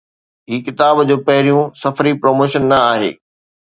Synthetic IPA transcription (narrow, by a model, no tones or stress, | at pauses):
ɦiːkɪt̪aːbd͡ʑoːpɐɦɪɾijũsɐfɾipɾoːmoːʃənːɐaːɦḛː